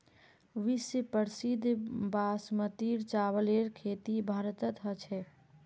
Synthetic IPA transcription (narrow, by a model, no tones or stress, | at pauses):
ʋisjəpəɾsid̪ʱbasmət̪iɾt͡ʃaβəleɾkʰet̪ibʱaɾət̪ət̪ɦət͡ʃʰɛ